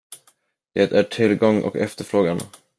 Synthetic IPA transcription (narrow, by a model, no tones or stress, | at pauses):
d̪̥eːt̪æʈʰɪlɡɔŋːʔɔ̰kɛft̪əɾfɾoːɡan